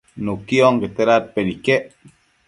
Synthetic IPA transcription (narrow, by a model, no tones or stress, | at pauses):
nukioŋɡet̪eɾat̚penikeʔ